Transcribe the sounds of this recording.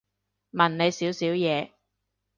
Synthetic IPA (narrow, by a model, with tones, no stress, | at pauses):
mɐ˨˩nne˨˧jsiː˨˥wsiː˨˥wjɛː˨˧